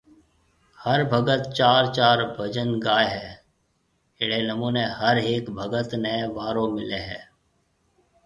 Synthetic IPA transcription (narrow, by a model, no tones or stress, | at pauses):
həɾbʱəɡət̪t͡ʃaːɾt͡ʃaːɾbʱəd͡ʒənɡaːeɦɛː | ɪɽeːnəmuːnehəɾeːkbʱəɡət̪nəeʋaːɾõːmɪleɦɛː